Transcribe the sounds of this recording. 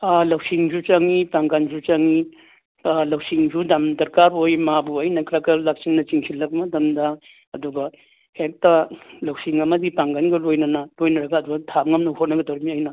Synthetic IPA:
alɐwsiŋzut͡ʃaŋipaŋɡanzut͡ʃaŋi | lɐwsiŋzudɐmdɐɾkaɾojmabuɐjnɐkʰɾaɡɐlak̚siŋnɐt͡ʃiŋsʰilɐk̚mɐdɐmdɐː | duɡɐ | hek̚tɐlɐwsiŋɐmɐdipaŋɡanɡɐlojnɐnɐlojnɐɾɐɡɐːduɡɐtʰamŋɐmnɐwhotnɐɡɐdawɾimiajnɐ

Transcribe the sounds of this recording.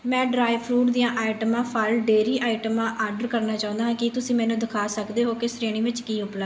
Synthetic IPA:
mɛ̃ːɖɾaːɪpʰɾuːʈd̪ijãːʔaːɪʈəmãːpʰəlɖeːɾiːʔaːɪʈəmãːʔaːɾɖəɾkəɾnaːt͡ʃaːʊ̃ːnd̪aːãːkɪt̪ʊsĩːmɛ̃ːnũːd̪ɪkʰaːsəkd̪eːɦoːkesɾeːɽ̃ĩːʋɪt͡ʃkiːʊplə

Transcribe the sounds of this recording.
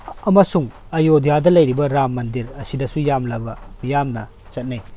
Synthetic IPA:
ɐmɐsuŋ | ɐjodijadɐlɐjɾibɐɾamːɐndiɾɐsidɐsujamlɐbɐmijamnɐ | t͡ʃɐt̚nɐj

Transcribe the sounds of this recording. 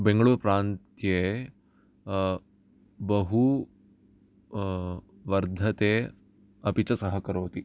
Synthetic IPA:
bẽŋɡəɭuːɾɐpɾaːnt̪je | bɐɦu | ʋɐɾd̪ʱɐt̪eː | ɐpit͡ʃɐsɐɦɐkɐɾoːt̪i

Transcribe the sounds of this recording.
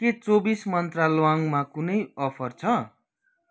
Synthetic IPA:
ket͡sobismʌnt̪ralowaŋmakunʌjʌpʰʌrt͡sʰʌ

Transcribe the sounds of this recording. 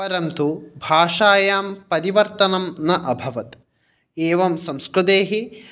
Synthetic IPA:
ɐɾɐmt̪ubʱaːʂaːjaːmpɐɾiʋɐɾt̪ɐnɐmnɐʔɐbʱɐʋɐt̪ | eːʋɐmsɐmskɾut̪eːɦi

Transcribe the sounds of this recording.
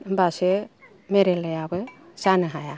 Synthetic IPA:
mbase | meɾelajabɯsanɯɦaja

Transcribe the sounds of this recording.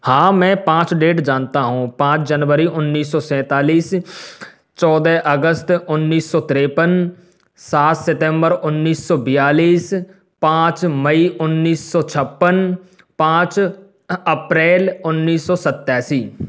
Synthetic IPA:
hãːmɛ̃ːpãːt͡ʃɖeːʈd͡ʒãːnt̪aːɦũːpãːt͡ʃd͡ʒənʋəɾiːʔʊnːiːsɔːsɛ̃ːt̪aːliːs | t͡ʃɔːd̪ɛːʔəɡəst̪ʊnːiːsːɔːt̪ɾeːpən | saːt̪seʈɛ̃ːmbəɾʊnːiːsːɔːbɪjaːliːs | pãːt͡ʃməiːʔʊnːiːsːɔːt͡ʃʰəpːən | pãːt͡ʃ | əpɾɛːlʊnːiːsːɔːsət̪ːaːsiː

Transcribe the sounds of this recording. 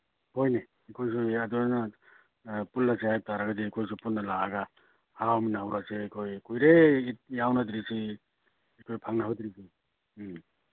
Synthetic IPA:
hojni | ikʰojs̬uaduana | pulːasehajp̚taɾaɡadiikʰojsupunnːalaaɡa | hawminaawɾaseːkʰojkujɾeit̚jawnadiɾisi | ikʰojpʰaŋnahadiɾisi

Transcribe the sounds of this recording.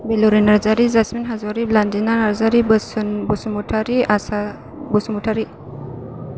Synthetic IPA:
beluɾinaɾzaɾizasminɦazɔɾiblandinanaɾzaɾibəsnbusumuʈʰaɾiasa | bɔsumuʈʰaɾi

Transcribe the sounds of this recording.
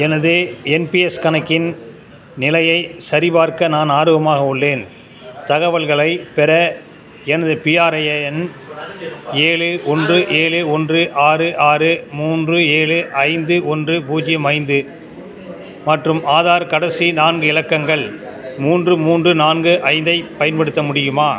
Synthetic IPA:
ɛnɐðɯɛnpiɛskɐnɐkːɪn | nɪlɐjɐɪsɐɾɪbaːɾkɐnaːnaːɾɯɣɐmaːɣɐʊɭːeːn | t̪ɐɣɐʋɐɭɣɐɭɐɪpɛɾɐ | ɛnɐðɯpiːaːɾɐjɐɛn | eːɭɯɔndrɯʔeːlɯɔndrɯʔaːɾɯʔaːɾɯmuːndrɯeːɭɯʔɐɪnd̪ɯɔndrɯpuːd͡ʒɪmɐɪnd̪ɯ | mɐʈrɯmʔaːðaːɾkɐɽɐsinaːnɡɯɪlɐkːɐŋɡɐɭ | muːndrɯmuːndrɯnaːnɡɯʔɐɪnd̪ɐɪpɐjɐnpɐɽɯt̪ːɐmʊɽɪjɯmaː

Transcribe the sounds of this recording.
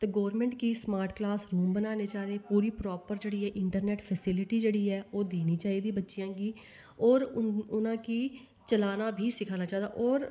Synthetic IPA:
t̪eːɡɔːɾmɛ̃ːɳʈkiːsmaːɾʈklaːsɾuːmbənaːneːt͡ʃaːd̪eːpuːɾiːpɾɔːpəɾd͡ʒeːɽiːɛːʔɪɳʈəɾnɛːʈpʰɛsɪlɪʈiːd͡ʒeːɽiːɛːoːd̪eːniːt͡ʃaːiːd̪iːbətːʃijãːɡiː | ɔːɾʊnãːkiː | t͡ʃəlaːnaːbʱiːsɪkʰaːnaːt͡ʃaːd̪a̰ːʔɔːɾ

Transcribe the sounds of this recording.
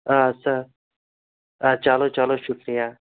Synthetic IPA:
aːsɐɾ | aːt͡ʃaːloːt͡ʃaloʃʊkɾijaː

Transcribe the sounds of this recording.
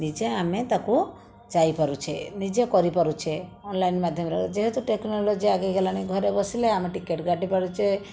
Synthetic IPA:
nid͡ʒeamet̪aku | d͡ʒajpaɾut͡ʃʰenid͡ʒekɔɾipaɾut͡ʃʰeɔnlainmad̪ʱjɔmɾed͡ʒeɦet̪uʈeknolod͡ʒiaɡeɡelaɽ̃iɡʱɔɾebɔsileameʈikeʈɡʱaʈipaɽut͡ʃʰe

